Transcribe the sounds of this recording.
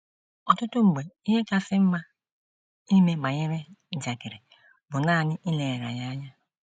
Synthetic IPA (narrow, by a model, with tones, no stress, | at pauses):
ɔ˨tʊ˦tʊ˦ŋ͡m̩˨ɡ͡be˨i˦ɦe˦ka˦sɪ˦m̩˦ma˦ | i˦me˦ɡ͡ba˨ɲe˦ɾe˦n̩˨d͡ʒa˨kɪ˨ɾe˨ | bʊ˨naː˦˨nɪ˦ʔi˦le˨ɾa̰˨ja˦a˦ɲa˦